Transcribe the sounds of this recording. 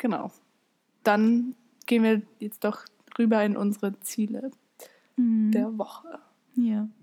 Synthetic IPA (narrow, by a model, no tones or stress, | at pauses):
ɡ̥əna̰ʊ | d̥an | ɡ̥eːnviːɐjɛt͡std̥ɔχ | ʁyːbɐɪnʔʊnzəʁət͡siːlə̰ | d̥eːɐvɔχə | ja